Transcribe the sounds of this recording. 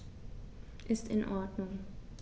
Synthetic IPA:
ʔɪstɪnʔɔɐdnʊŋ

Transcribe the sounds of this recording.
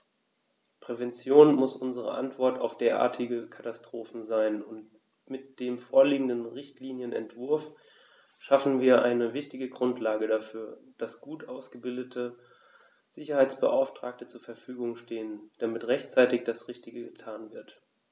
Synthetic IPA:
pʁ̥ɛvɛnt͡sjoːnmʊsʔʊnzəʁə̰ʔa̰ntv̥ɔɐta̰ʊfd̥eːɐʔa̰ːɐtʰɪɡəkʰatastʁ̥oːfn̩zaɪnʊnt | mɪt̚d̥eːmfoːɐliːɡŋ̩dənʁɪçtʰliːnjənɛ̰ntv̥ʊɐf | ʃafn̩viːɐʔaɪnəvɪçtɪɡəɡʁʊntʰlaːɡədafyːɐd̥asɡ̥uːtʔaʊsɡ̥əbɪldətʰə | z̥ɪçɐhaɪt͡sb̥ə̰ʔa̰ʊftʁ̥aːk̚tət͡suːɐfɛɐfyːɡʊŋʃteːənd̥amɪtʁɛçtt͡saɪtɪçd̥asʁɪçtɪɡəɡətʰaːnvɪɐt

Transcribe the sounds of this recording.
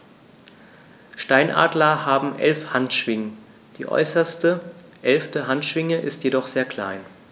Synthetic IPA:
ʃtaɪnʔa̰ːdlɐhaːbm̩ʔɛ̰lfhantʃv̥ɪŋə | d̥ḭːʔɔ̰ʏsɐstə | ʔɛlftəɦantʃv̥ɪŋəʔɪstjedɔχz̥eːɐkl̥a̰ɪn

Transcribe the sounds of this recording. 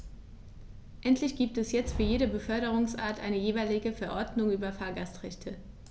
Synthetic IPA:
ʔɛntʰlɪçɡ̥iːp̚tɛsjɛt͡stfyːɐjeːɾəbəfœɐɾəʁ̞ʊŋsʔa̰ːɐtʔa̰ɪnəjeːvaɪlɪɡəfɛɐʔɔɐdnʊŋʔyːbɐfaːɐɡastʁɛçtʰə

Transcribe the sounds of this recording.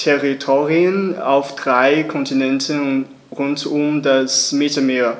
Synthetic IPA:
tʰɛʁitʰoːʁiəna̰ʊfd̥ʁaɪkʰɔntinɛntən | ʁʊntʊmdasmɪtl̩meːɐ

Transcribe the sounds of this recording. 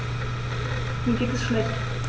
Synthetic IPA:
nuːɡeːtɛsʃnɛçt

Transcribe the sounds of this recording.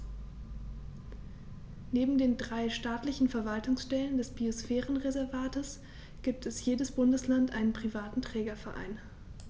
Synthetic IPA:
neːbm̩deːndʁaɪʃtaːtlɪçn̩fɛɐvaltʊŋsʃtɛləndɛsb̥iosfɛːʁən̩ʁezɛɐvaːtəs | ɡ̥iːp̚tʰɛsjeːdəsb̥ʊndəslantʔaɪnənpʁ̥ivaːtn̩tʁ̥ɛːɡɐfɛɐʔa̰ɪn

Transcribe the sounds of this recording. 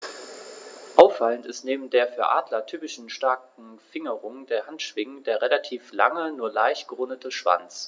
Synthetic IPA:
ʔaʊfːaləntɪstneːbm̩deːɐfyːɐʔaːdlɐtʰyːpɪʃn̩ʃtaɐkŋ̩fɪŋəʁʊŋdeːɐhantʃv̥ɪŋdeːɐʁelatʰiːfla̰ŋənuːɐlaɪçɡ̥əʁʊndətʰəʃv̥a̰nt͡s

